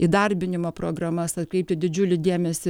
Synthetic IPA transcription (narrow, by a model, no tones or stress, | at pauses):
id̪ɐɾʲbʲɪnʲɪmoːpɾoːɡɾɐmɐsɐt̪kɾʲɛɪp̚t̪ʲɪd̪ʲɪd͡ʒʲʊlʲɪd̪ʲeːmʲɛsʲɪ